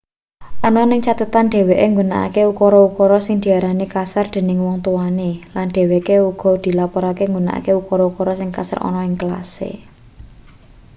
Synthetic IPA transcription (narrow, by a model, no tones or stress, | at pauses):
ʔɔnɔnɪŋt͡ʃat̪ət̪anɖ̥e̤weʔeŋɡuna̰ʔa̰keukɔɾɔukɔɾɔsɪŋd̪̥i̤aɾanikasard̪̥e̤nɪŋwɔŋt̪uwanilanɖ̥e̤wekeuɡ̥ɔ̤d̪̥i̤lapɔɾakeŋɡuna̰ʔa̰keukɔɾɔukɔɾɔsɪŋka̰sa̰rɔ̰nɔɪŋkəla̰sḛ